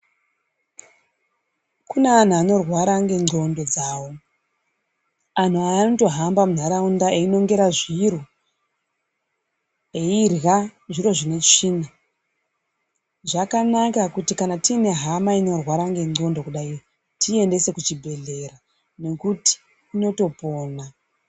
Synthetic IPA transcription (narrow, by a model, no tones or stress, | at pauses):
kunean̤uano̞rwaɾaŋɡe̞ŋ͡ǀo̞ndo̞d͡zawo̞ | an̤uanoto̞ɦambamun̤aɾaundaeino̞ŋɡe̞ɾaʐiɾu | eirɣaʐiɾo̞ʐine̞t͡ʃiːna | ʐakanakakutikanatine̞ɦamaino̞rwaɾaŋɡe̞ŋ͡ǀo̞ndo̞kuɗairo | tʰie̞nde̞se̞kut͡ʃibʱe̞ɮe̞ɾa | ne̞kuti̥ː | no̞to̞po̞ːna